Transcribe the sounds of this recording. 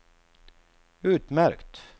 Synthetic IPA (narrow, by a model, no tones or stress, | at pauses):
ʉːt̪mæɾkt̪